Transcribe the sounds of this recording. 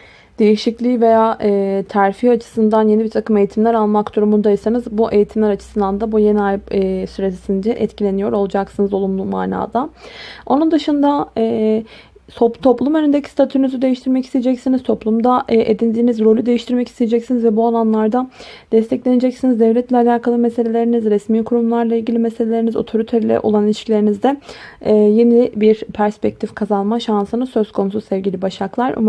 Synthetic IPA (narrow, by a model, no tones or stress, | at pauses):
d̪̥e̞jiʃiclʲiːve̞jaːɛːt̪ʰæɾfihat͡ʃʰɯ̥sɯnd̪anjeibiɾt̪ʰakɯme̞jit̪ʰimlʲæɾalˠmakd̪uɾumund̪ajisanɯzbuʔe̞jit̪ʰimlʲæɾat͡ʃʰɯ̥sɯnd̪and̪abuje̞niajʲsyɾesind͡ʒ̪ɛʔɛt̪cʰilʲe̞nijo̞ɾo̞lˠad͡ʒaksɯnɯzo̞lˠumlˠuma̰ːna̰ːd̪ao̞nund̪ɯʃɯnd̪aɛː | t̪ʰot̪ʰo̞plˠumø̞nynd̪ecʰi̥st̪ʰat̪ʰynyzyd̪ejiʃt̪ʰiɾmɛci̥st̪ejed͡ʒɛcsinizt̪ʰoplˠumd̪aʔʔed̪ind̪iːnizɾo̞lʲyd̪e̞jiʃt̪ʰiɾmɛci̥st̪ijed͡ʒɛcsinizvɛbuolˠanlˠaɾd̪ad̪̥ɛst̪ʰɛclʲe̞ned͡ʒɛcsinizd̪ɛvlʲɛt̪lʲɛalʲaːkʰalˠɯmɛse̞lʲe̞lʲe̞ɾinizɾɛsmiːkʰuɾumlˠaɾlˠailʲɟilʲimɛselʲe̞lʲe̞ɾinizo̞̰t̪ʰo̞ɾit̪ʰɛɾlʲɛ̰ʔolˠanlʲit͡ʃkcʰilʲeɾinizd̪ɛː | jenibiɾpʰæɾspɛc̚t̪ʰifkʰazalˠmaʃansɯnɯsø̞zkʰo̞nususɛvɟʲilʲibaʃaklˠaɾṵm